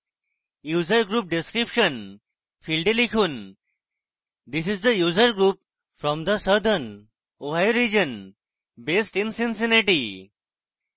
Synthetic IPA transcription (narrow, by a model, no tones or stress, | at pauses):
juːzəɾɡɾuːp̚ɖiskɾipʃə̃n | filɖelikʰuːn | d̪isizd̪əjuːzəɾɡɾuːp̚ | fɾɔ̃md̪əsəd̪ən | oɦajoɾid͡ʒə̃n | besʈĩnsĩnsiniʈi